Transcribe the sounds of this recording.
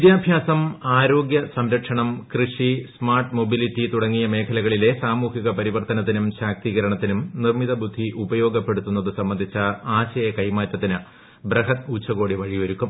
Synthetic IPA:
ʋid̪jaːbʱjaːsɐmaːɾo̞ːɡjɐsɐmɾɐʈʂɐɳɐmkrɨʂismaːrʈmo̞bilitːit̪uɽɐŋːijɐme̞ːkʰɐlɐɣɐɭile̞saːmuːhiɣɐpɐɾiʋɐrt̪ɐnɐt̪ːinumɕaːk̚t̪iːɣɐɾɐɳɐt̪ːinumnirmiðɐbud̪ʱːiʔubɐjo̞ːɡɐpːe̞ɽut̪ːunːɐðɨsɐmːɐnd̪ʱit͡ɕːɐaːt͡ɕɐjekɐjmaːt̪ːɐt̪ːinɨ | brɐɦɐt̪ut͡ɕːɐɣo̞ːɽiʋɐɻijo̞ɾukːum

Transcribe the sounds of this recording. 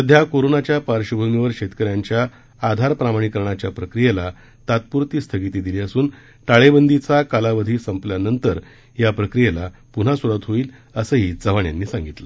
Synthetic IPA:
əd̪ʱjakoɾonat͡ɕjapaɾɕəbʱəwniʋəɾɕet̪kəɾjaɲt͡ɕjaː | d̪ʱaɾpɾamaɳ̃ikəɾɳ̃at͡ɕjapɾəkɾijela | t̪at̪̚puɾt̪iːst̪ʰəɡit̪iːd̪iliəsuːn | ʈaɭebənd̪it͡sakalaʋəd̪ʱiːsəmpljanənt̪əɾ | japɾəkɾijelapun̤asuɾat̪ɦoiːləsəːɦiːd͡zəʋaɳja̰nːiːsãŋɡit̪lə

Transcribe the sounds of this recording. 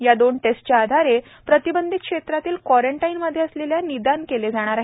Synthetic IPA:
jad̪oɳʈesʈt͡ɕaːd̪ʱaɾe | pɾət̪ibənd̪ʱit̪̚kʂet̪ɾat̪iːlkwɔɾeɳʈainməd̪ʱːjeəsleljanid̪ankeled͡zaɽ̃aɾaɦi

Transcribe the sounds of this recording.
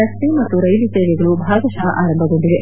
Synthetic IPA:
ɐst̪imɐt̪ːuɾɐjlit̪eːɡeɡɐɭubʱaːɡɐʃɐɐaːɾɐmbʱɐɡoɳɖid̪e

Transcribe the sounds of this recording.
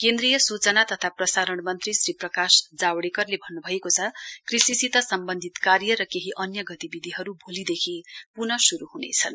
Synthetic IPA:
kend̪rijʌsut͡sʌnat̪ʌt̪ʰaprʌsaɾʌɽmʌnt̪risriprʌkasd͡zawɽekʌrlebʱʌnːubʱʌjekot͡sʰʌkrisisit̪ʌsʌmbʌnd̪ʱit̪karjʌɾʌkeɦiʔʌnjʌɡʌt̪ibid̪ʱiɦʌɾubʱolid̪ekʰipunʌsuɾuɦunḛt͡sʰʌn

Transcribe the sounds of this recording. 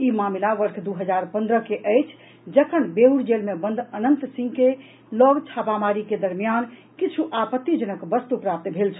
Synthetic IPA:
imamilaʋəɾkʰd̪uɦəd͡ʒaɾpə̃nd̪ɾəkeʔəjt͡ʃʰ | d͡ʒəkʰənbeɦuɽd͡ʒelmebənd̪ʱənənt̪sĩŋɡke | lɔɡt͡ʃʰapamaɾiked̪əɾmijan | kit͡ʃʰuʔapət̪ːid͡ʒənəkbəst̪upɾap̚t̪bʱelt͡ʃʰə̥

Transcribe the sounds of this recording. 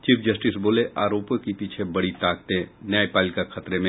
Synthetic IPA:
t͡ʃiːpʰd͡ʒɐsʈɪsboːleʔʔaːɾoːpjəkipiːt͡ʃʰebɐɽit̪aːkt̪ẽnɛepaːlɪkakʰɐt̪ɾemẽ

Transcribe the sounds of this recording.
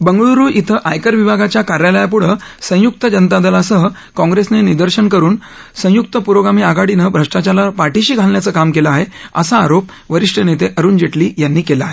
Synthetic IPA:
bəŋɡɭuɾuːʔit̪ʰəʔajkəɾʋibʱaɡat͡ɕjakaɾjaləjapuɽ̤əsə̃juk̚t̪əd͡ʑənt̪ad̪əlasəɦə | kɔ̃ŋɡɾesnenid̪əɾɕənkəɾuːn | sə̃jukt̪əpuɾoɡɾamiːaɡaɽinəbʱɾəʂʈat͡ɕalapaʈiɕiːɡʱalnjat͡səːkamkelaaɦeə̰saːɾop̚ | ʋəɾiʂʈʰənet̪eʔəɾuːnd͡ʑeʈliːjanːiːkelaːɦe

